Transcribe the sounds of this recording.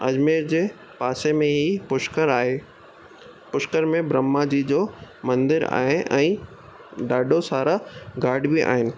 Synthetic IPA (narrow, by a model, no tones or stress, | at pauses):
ɐd͡ʑmeːɾd͡ʑeː | paːsemẽɦipʊʃkəɾaːɦeː | pʊʃkəɾmẽbɾəmːad͡ʑid͡ʑoːmɐ̃nd̪ɪɾa̰ːɦɪnʔɛ̃ː | ɖaːɖosaːɾaɡaːɾɖbiʔa̰ːɦɪnɪ̆